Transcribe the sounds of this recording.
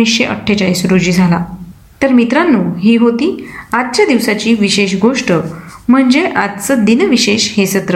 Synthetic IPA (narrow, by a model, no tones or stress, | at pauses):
isɕeʔə̰ʈʰːet͡ɕaɭiːsɾod͡ʑiːd͡zʱala | t̪əɾmit̪ɾanːuːɦiːɦot̪iːat̪̚t͡ɕjad̪iʋsat͡ɕiːʋiɕeɕɡoʂʈəm̤əɳd͡zeʔat̪t͡səd̪inəʋiɕeɕhesət̪ɾə